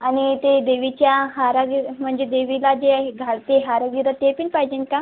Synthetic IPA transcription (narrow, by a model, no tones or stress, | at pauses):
aɽ̃it̪ed̪eʋit͡ɕjaɦaɾaɡiɾm̤əɳd͡zd͡ʑed̪eʋilad͡ʑeɡʱaɭt̪eɦaɾaɡiɾət̪epinpajd͡ʑenka